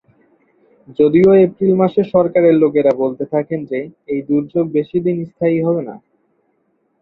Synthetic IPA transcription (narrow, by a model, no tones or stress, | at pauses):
d͡ʑod̪ioepɾilmaʃeʃɔɾkaɾeɾloɡeɾabolt̪et̪ʰakend͡ʑeejd̪uɾd͡ʑoɡ̚beʃid̪inist̪ʰaiɦɔbena̰